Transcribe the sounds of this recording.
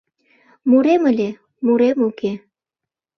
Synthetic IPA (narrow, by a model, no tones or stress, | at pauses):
muɾeməlʲe | muɾemuke